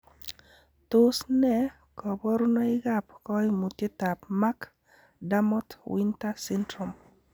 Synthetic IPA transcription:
tʊ˦snɛ˦ | kɔ˨bɔ˦ɾu˦nɔ˦ɪ˦ɡa˦pkɔ˦ɪ˦mu˨tje˦ta˨pma˦k | da˦mɔ˦twi˦nta˦si˦ndɾo˨m

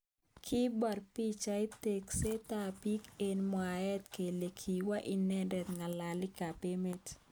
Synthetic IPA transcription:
kʰɪ˦ba˨rpi˦t͡ʃa˦i˦te˨kse˦t̪a˦pi˦ke˨nmɔ˨a˨ɛ˦t̪ke˨le˨kʰi˨wa˦ʔi˦nɛ˦ndɛ˨t̪ŋa˨la˨lɪ˦ka˨pe˦me˦t

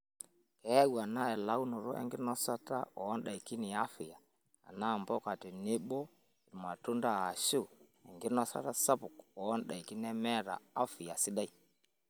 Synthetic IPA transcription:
kɛ˨˦ɛ˦wa˨na˦ɛ˨la˦wnu˨ɾɔ˦ʔɛ̰˦ŋɡɪ˦nɔ˦sa˦ta̰˦ɔ˨˦nda˨i˨ki˦nɪ˨a˦fɪ˨ja˨ | a̰˨na˦˨mbɔ˦ka˨tɪ˨nɪ˦bɔ˦ | i˨ɾma˨tu˦nda˦a˨ʃu˦ | ɛ˨ŋɡɪ˦nɔ˦sa̰˦ta˦sa˦pʊ˨kɔː˨˦nɗa˨i˨ki˦nɛ˦mɛ˦ɾa̰˨a˦fɪ˨ja˨sɪ˦da˦i˦˨

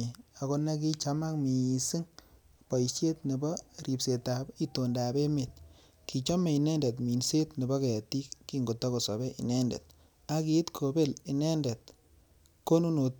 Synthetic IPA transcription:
a˨ko˦ne˦ki˦t͡ʃa˦ma˦kmi˨si˦ŋ | pɔ˨jse˦tne˨bɔ˦ri˨pse˨ta˨bi˦to˨nda˨be˦me˨t̚ | ki˨t͡ʃɔ˦me˨i˨nɛ˦nde˨t̬mi˨nse˦tne˨bɔ˦ke˨ja˨ti˦kːi˦ŋɡo˨tɔ˦ko˨sɔ˨bɛ˦ʔḭ˨nɛ˦ndɛ̰˨t̚ | a˦ki˨˦tkʰo˨be˦˨li˨nɛ˦ndɛ˨t̚ | ko˦nu˦no˨t

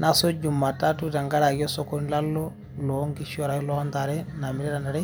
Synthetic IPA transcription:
na˦so˦d͡ʒu˨mːa˨ta˦tu˦ta˨ŋɡa˦ɾa˨ɡi˦ɔ˦sɔ˦kɔ˦n˦la˦lːɔ˦ | lɔ˨˦ŋɡi˦ʃɔ˨ɾa˨i˦lɔ˦nd̪a˨ɾɛ˦na˨mi˨ɾɛ˦ɾa˨nda˨ɾɛ˦

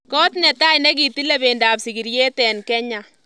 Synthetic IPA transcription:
kɔ˦tnɛ˨ta˦jnɛ˦k̬i˨ti˦lɛ˦be˨ndaː˨psi˨ki˨ɾje˦tɛ˨nkɛ˦ɲa˨

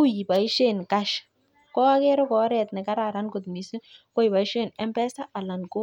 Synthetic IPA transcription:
u˦ji˨ba˨i˦ʃe˦˨nka˦ʃ | kɔ˦a˦kɛ˦ɾɔ˦kɔ˨˦ɾɛ˨tnɛ˨ka˦ɾa˨ɾa˦nko˨tni˨se˦ko˦jpa˨i˦ʃe˦˨nɛ˦mpɛ˦sa˦a˨la˨nko˦

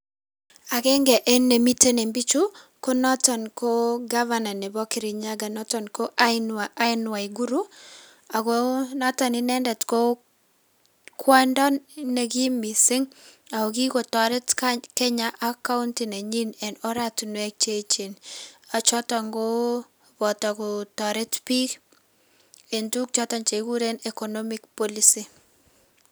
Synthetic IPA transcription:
a˨kɛ˦ŋɡɛ˨ʔɛ˦nːe˨mi˦te˦ne˨mbi˦t͡ʃu˦ | ko˦nɔ˦tɔ˨nko˦ɡa˦va˦na˨nɛ˨bɔ˦kɪ˨ɾi˨ɲa˦ɡa˨nɔ˦tɔ˨nko˦ʔa˦ɪ˦nwa˨i˨ɡu˦ɾu˦ | a˨ɡonɔ˦tɔ˨nɪ˦nɛ˦ndɛ˨tko˦ | kʰwɔ˦ndɔ˦nne˨ɡi˦mi˨sɪ˦ŋ | a˨ko˨ki˦ko˨tɔ˨ɾɛ˦tkakɛ˦ɲaʔa˦ka˦untine˨ɲi˦nɛ˨nɔ˦ɾatunwɛ˦k̚t͡ʃe˦t͡ʃena˨t͡ʃɔ˦ta˨ŋɡo | bɔ˨ta˨kutɔ˨ɾɛ˦tpi˦k | e˨ntu˦k̚t͡ʃɔtɔnt͡ʃeku˦ɾe˦ne˨kɔ˨nɔmik̚pɔlisi

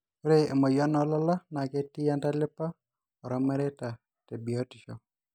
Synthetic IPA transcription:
u˦ɾe˦e˨mɔ˨ja˦nɔ˦lɔ˦la˦na˨ke˦tːi˦ja˦nta˦lɪ˦pːa˦ | ɔ˨ɾɔ˦mɛ˦ɾe˦ta˨ | te˨bi˨o˦ti˨ʃɔ̰˨

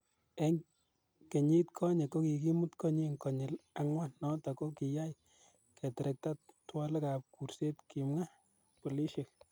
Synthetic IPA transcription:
e˦ŋ | ke˨ɲi˦tkʰɔ˦ɲe˨kːo˦ki˨ki˦mu˦tkɔ˦ɲi˦ŋkɔ˨ɲɪ˨la˦ŋwa˦nɔ˦tɔ˨ko˦ki˨ja˦j | kɛ˨tɛɾɛk̚ta˦ttwa˦le˦ka˨p̚ku˨ɾse˦tki˨mŋa˦ | po˨li˦ʃe˨k̚

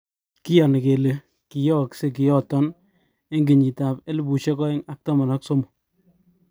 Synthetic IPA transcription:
ki˦ja˨nɪ˨ke˨le˨ | ki˨jɔ˦˨kse˦ki˨jɔ˦tɔ˦n | e˦ŋɡi˨ɲi˨ta˨pe˦lbu˨ʃe˦kɔ˦e˦ŋa˨k̚tɔ˦ma˨nɔ˦kso˦mo˨

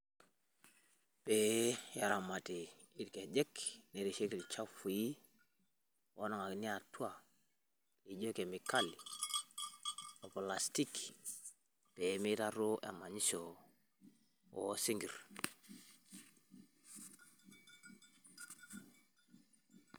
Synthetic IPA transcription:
pe˨ja˨ɾa˨ma˨ti˨ | i˦tke˨d͡ʒɛ˦kne˨ɾi˨ʃe˦ki˨li˨t͡ʃa˦fu˨ji˦ | wo˦nɔ˨ŋa˨kni˦a˨tu˦a˦˨ | i˨d͡ʒo˦ke˨mi˨ka˦li˨ | o˨pla˨sti˦k | pe˨˦mi˦ta˦ɾu˦ʔḛ˨ma˨ɲi˦so˨ | wo̰˦si˦ŋɡi˨ɾ

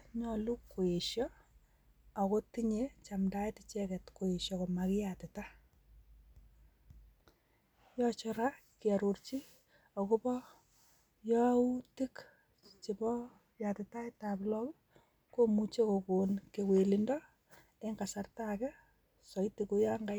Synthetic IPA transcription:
ɲɔ˨lu˦kːo˨e˨ʃjɔ | a˨ko˦tiɲet͡ʃa˨mda˦e˦tɪt͡ʃɛ˦kɛ˨tko˨e˨ʃjɔ˨koma˨kɪ˦ja˨tɪ˨ta˦ | jɔt͡ʃɔ˨ɾa˦ | ki˨a˨ɾo˨rt͡ʃi˦ | o˨ko˦pɔ˦ | jɔ˦u˦ti˦k | t͡ʃi˨bɔ˦ | jatɪ˨ta˦etablɔ˦k | ko˦mu˨t͡ʃe˦ko˨ko˨nke˨kwe˨lindɔ˦ | e˦ŋɡa˨sa˨rtakɛ˦ | sɔ˨itiku˦ja˦ŋɡa˦

